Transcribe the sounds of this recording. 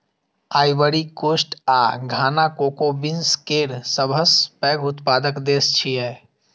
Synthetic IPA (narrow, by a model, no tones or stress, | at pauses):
aːjʋəɾikoːsʈaːɡʱaːnakoːkobɪnskeːɾsəbʱəspɛːɡʊt̪paːd̪əkd̪eːst͡ʃʰiɛː